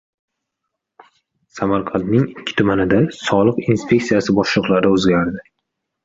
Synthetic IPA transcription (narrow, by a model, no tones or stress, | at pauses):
samaɾqʰɑnt̪nɪŋɪkʲʰːɪ̥t̪ʰʊmanɪd̪asɒlˠɨqinspʰʲe̞kt̪sijasɪbɒʃlˠɨqlˠaɾɪɵzɡʲaɾd̪ɪ